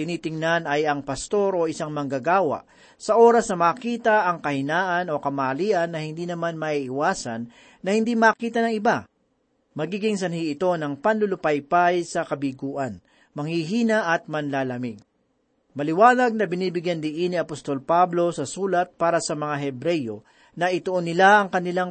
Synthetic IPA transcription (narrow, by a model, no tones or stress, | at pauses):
t̪ɪniːt̪ɪŋnanɐjɐŋpɐst̪o̞ɾʔo̞ʔɪsaŋmɐŋɡɐɡaːwɐ̰ʔ | sɐʔo̞ɾɐsnɐmɐːkiːt̪ɐʔɐŋkɐhɪnaːʔɐno̞kɐmaːɐliːʔɐnːɐhɪnd̪iːnɐmanmɐʔiʔɪwaːsɐnː | ɐhɪnd̪imɐːkiːt̪ɐnɐŋɪba | mɐɡiːɡɪŋsɐnhiʔɪt̪o̞nɐŋpɐnlʊlʊpɐjpajsɐkɐbiɡuːʔɐn | mɐŋhiɦiːnɐʔɐt̪̚mɐnlaːlɐmɪɡ̚ | mɐlɪwaːlɐɡ̚nɐbɪniːbɪɡjɐnd̪ɪʔiniɐpost̪o̞lpablo̞sɐsuːlɐt̪̚paːɾɐsɐmɐŋaɦɛbɾɛjo̞ | nɐʔɪt̪ʊʔonɪlaʔɐŋkɐnɪlaŋ